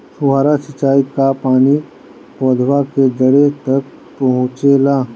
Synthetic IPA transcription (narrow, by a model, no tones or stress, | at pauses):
sʊɦaːɾasɪt͡ʃaːikapaːni | pɔːd̪ʱwaked̪ɐɽet̪ɐk̚ | pɐɦʊ̃t͡ʃelaː